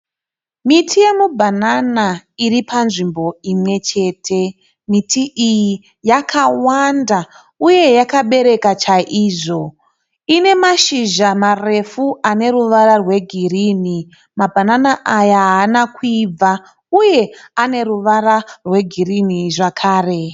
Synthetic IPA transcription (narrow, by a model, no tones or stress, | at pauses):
mitʰije̞mubʱananairipanʐimbo̞imwe̞t͡ʃe̞ːtʰe̞ | mitʰiʔiji | jakʰawanda | uje̞jakaɓe̞ɾe̞kat͡ʃaʔiːʐo̞ | ine̞maʃiʒamare̞fuane̞ɾuʋaɾarwe̞ɡʱirini | mabʱananaʔajaɦaːnakib͡va | uje̞ane̞ruʋaɾarwe̞ɡʱiriniʐakʰaːre̞